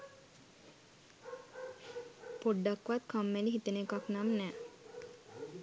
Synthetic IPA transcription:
poɖːakʋat̪kʰamːeliɦit̪ənekaknamnɛː

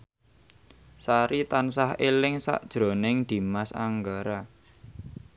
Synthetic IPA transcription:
saɾit̪ansahelɪŋsa̰ʔd̥ʒ̥ɾo̤nɪŋd̪̥i̤masa̰ŋɡaɾa

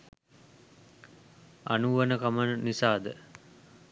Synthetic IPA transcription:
a̰nuʋənəkamənnisaːd̪ə

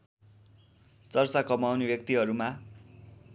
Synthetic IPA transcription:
t͡sʌrt͡sakʌmawnebjʌk̚t̪iɦʌɾuma

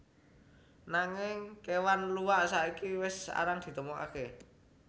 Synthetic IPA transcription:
naŋɪŋkewanluwaʔsaʔikiwɪsa̰ɾaŋd̪̥i̤t̪əmɔka̰ke

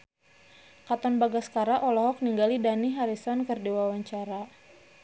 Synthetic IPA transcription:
kat̪ɔnbaɡaskaɾaʔɔlɔɦɔk̚niŋɡalidaniɦaɾisɔnkɨrdiwawaɲt͡ʃaɾa

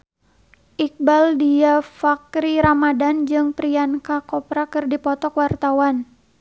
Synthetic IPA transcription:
ʔik̚baldiafakɾiɾamadand͡ʒɨŋpɾiankakɔpɾakɨrdipɔt̪ɔkwart̪awan

